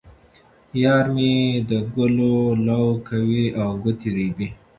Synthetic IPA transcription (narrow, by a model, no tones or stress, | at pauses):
jɑːɾmed̪əɡʊlolawkʰawiawɡʊt̪iɾibi